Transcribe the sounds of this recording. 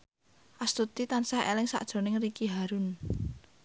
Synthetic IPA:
ʔast̪ut̪it̪ansahḛlɪŋsa̰ʔd̥ʒ̥o̤nɪŋrikiɦaɾʊn

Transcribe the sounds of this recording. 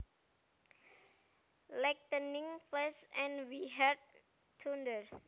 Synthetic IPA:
laɪk̚dənĩŋflɛsɛ̃nwiɦɛd̚ | tʰũndəl

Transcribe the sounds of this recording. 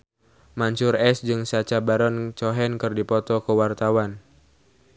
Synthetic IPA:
maɲt͡ʃʊrɛsd͡ʒɨŋsat͡ʃabaɾɔnt͡ʃɔɦɛnkɨrdipɔt̪ɔkəwart̪awan

